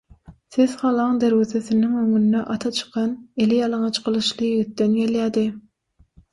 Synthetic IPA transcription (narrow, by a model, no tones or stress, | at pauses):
sezχɑlˠɑŋd̪eɾwezeθɪnɪŋøŋyninɛʔɑt̪ʰɑt͡ʃʰɨ̥qɑnelɪjɑlˠɑŋɑt͡ʃqʰəlˠɯʃlˠɨjeɡit̪ːɛnjeljæːd̪ɪ